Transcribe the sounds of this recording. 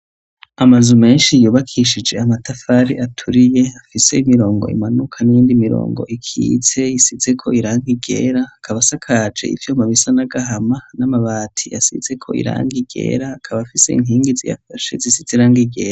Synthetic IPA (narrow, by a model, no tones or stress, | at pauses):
amazume̞ːnʃijuːβakʰiʃid͡ʒe̞amatafaɾiatʰuɾije̞afise̞imiɾo̞ːŋɡo̞ḭmanukʰanijiːndimiɾo̰ːŋɡo̞̰ʔikʰḭːze̞jisize̞kʰo̞iɾaːŋɡiɡḛːɾaːkʰaβasakʰad͡ʒe̞̰ḭvjomaβisanaɡaɦamanamaβaːtʰijasḭze̞kʰo̞̰ḭɾa̰ːŋɡiɡe̞̰ːɾaːkʰaβafise̞ḭŋɦiːŋɡizija̰faʃe̞̰zisiz̥eɾaːŋɡiɡe̞ːɾa